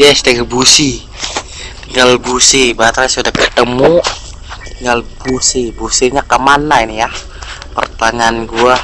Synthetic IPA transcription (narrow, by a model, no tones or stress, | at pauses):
jɛsdaɡəbusi | t̪iŋɡalbusibat̪ɾasudahkə̥t̪əmu | t̪iŋɡalbusibusiɲakəmanainija | pə̰rt̪aŋanɡua